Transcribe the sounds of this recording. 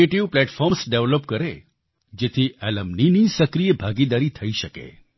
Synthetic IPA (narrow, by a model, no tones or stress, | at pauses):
eʈiʋplɛʈfɔɾmsɖeʋlopkəɾe | d͡ʒet̪ʰiʔɛləmninisəkɾijəbʱaɡid̪aɾit̪ʰəiʃəkḛ